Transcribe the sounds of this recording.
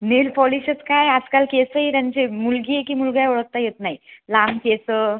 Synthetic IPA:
nelpɔliɕət͡skajad͡zkalkesəɦiɾãɲt͡ɕemulɡiːekimulɡajɔɭək̚t̪ajet̪naɦilamkesə

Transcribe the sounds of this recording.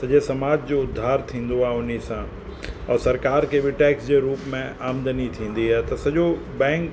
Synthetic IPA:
sɐʄesɐmaːd͡ʑd͡ʑoʊd̪ʱːaːɾt̪ʰĩːn̆d̪oaɦʊnisã | ɔːɾsɐɾkaːɾkebɪʈɛːksd͡ʑeɾuːpmẽaːmd̪ənit̪ʰĩːn̆d̪iɦɛːt̪ɐsɐʄo | bɛ̃ːŋk

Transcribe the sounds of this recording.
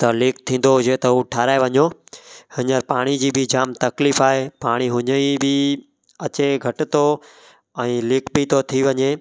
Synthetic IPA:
t̪ɐlɪːkt̪ʰĩːn̆d̪oɦʊd͡ʑet̪ɐɦuʈʰaːɾaːeʋɐɲohɪɲəɾpaːɽ̃id͡ʑiːbɪd͡ʑaːmt̪ɐkliːfaːɦepaːɽ̃iɦʊɲəibɪ | ɐt͡ɕeɡʱɐʈɪt̪o | ɛ̃ːlɪːkbit̪ʰot̪ʰiʋɐɲeː

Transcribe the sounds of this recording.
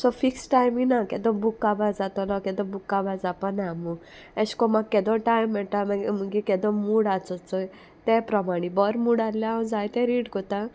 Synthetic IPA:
sɔfiksʈajminakɛd̪ɔ̃bukːabad͡zat̪ɔlɔkɛd̪ɔbukːabad͡zapanamu | ɛskɔmakːɛd̪ɔʈajmːɛʈamãmuɡikɛd̪ɔmuɽat͡sɔt͡sɔ | t̪ɛpɾɔmaɽ̃ibɔɾmuɽalːaaw̃d͡zajt̪ɛ̃ɾiɽkɔt̪ã

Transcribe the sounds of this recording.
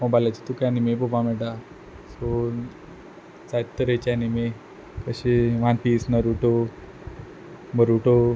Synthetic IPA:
mɔbajlat͡ɕit̪ukanimebobameʈa | so | d͡zajt̪ːəɾet͡ɕanime | kəɕeʋanpiːsnəɾuʈo | məɾuʈo

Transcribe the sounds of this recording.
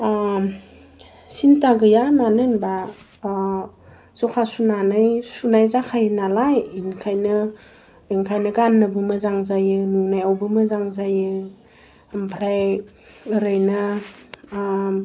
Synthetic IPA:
sintaɡɯjamanɯnba | zɔkʰasunanɯjsunajzakʰajnalajinkʰajnɯ | ɯŋkʰajnɯɡanːɯbɯmazaŋzajɯnuŋnajawbɯmɐzaŋzajɯ | ampʰɾaj | ɯɾɯjna

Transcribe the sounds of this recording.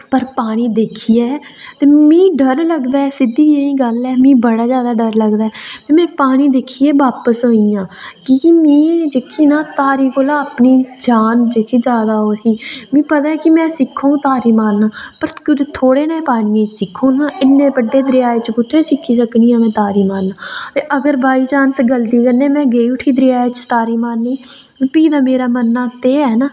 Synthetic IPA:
pəɾpaːɽ̃iːd̪eːkʰiːɛːt̪eːmĩːɖəɾləɡd̪aːɛːsɪd̪iːeĩːɡəlɛːmĩːbəɽaːzjaːd̪aːɖəɾləɡd̪aːɛt̪eːmɛ̃ːpaːɽ̃iːd̪eːkʰiːeːʋaːpəsɦoːijãːkɪmĩːd͡ʒeːkʰiːnãːt̪aːɾiːkoːlaːəpniːd͡ʒaːnd͡ʒekʰiːd͡ʒaːd̪aːɦoːsiːmĩːpət̪aːɛkɪmɛ̃ːsɪkʰːõːt̪aːɾiːmaːɾnaːpəɾkʊd͡ʒt̪ʰoːɽeːnaiːpaːnːẽːt͡ʃsɪkʰːõːnãːʔɪnːẽːbəɖːeːd̪ɾɪjaːeːt͡ʃpʊt̪ʰːeːsɪkʰːiːsəkniːãːmɛ̃ːt̪aːɾiːmaːɾnaːt̪eːʔəɡəɾbaːiːd͡ʒaːnsəɡəlt̪iːkənːeːmɛ̃ːɡeːiʊʈʰiːd̪əɾɪjaːet͡ʃt̪aːɾiːmaːɾniː | piːd̪aːmeːɾaːmənːaːt̪eːɛːnaː

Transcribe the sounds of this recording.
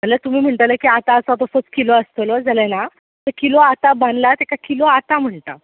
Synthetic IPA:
mələt̪um̤iːm̤əɳʈələkiat̪aəsat̪ɔsot͡skiloəst̪əlod͡zəlena | t̪əɾkiloat̪abanlat̪ekakiloat̪am̤əɳt̪a̰

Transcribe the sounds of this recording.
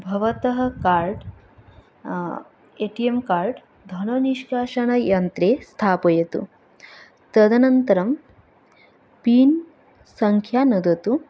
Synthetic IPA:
bʱɐʋɐt̪ɐɦɐ̆kaːɾɖ | eʈiemkaːɾɖ | d̪ʱɐnɐniʃkaːʃɐɳɐjɐnt̪ɾeːst̪ʰaːpɐjɐt̪ṵ | t̪ɐd̪ɐnɐnt̪ɐɾɐm | piːn | sɐŋkʰjaːnud̪ɐt̪u

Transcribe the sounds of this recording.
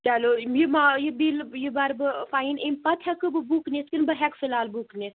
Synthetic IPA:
tʲɛlojimajibiːljibɐɾbɨfaːinemʲpɐt̪ʰhɛkɨbɨbukneskinbɨɦɛkfilaːlbukne

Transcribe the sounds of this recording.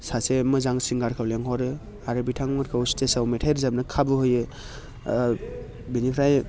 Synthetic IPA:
sasemɯzaŋsiŋɡaɾkʰawleŋhɔɾɯ | aɾɯbitʰaŋmaɾkʰawstesawmetʰajɾzabnɯkʰabɯɦojɯ | binipʰɾaj

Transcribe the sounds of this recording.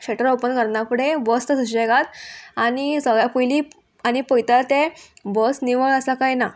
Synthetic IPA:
kɕeʈəɾopənkəɾnapuɽebɔst̪əd̪uɕeɡat̪añisəɡɭjapujli | añipəjt̪alt̪ebəsniʋəɭəsakajna

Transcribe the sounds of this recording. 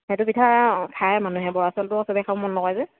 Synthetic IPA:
hɛtʊbitʰakʰajmanuɦɛbɔɹasɔltʊɔsɔbɛkʰabɔmɔnːɔkɔjzɛ

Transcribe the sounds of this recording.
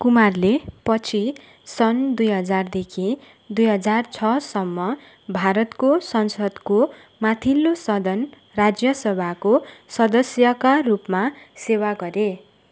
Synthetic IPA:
kumarlepʌt͡sʰi | sʌnd̪ujɦʌd͡zard̪ekʰi | d̪ujɦʌd͡zart͡sʰʌsʌmːʌ | bʱaɾʌt̪kosʌnsʌd̪ko | mat̪ʰilːosʌd̪ʱʌn | rad͡zjʌsʌbʱakosʌd̪ʌsjʌkarupmasewaɡʌɾe

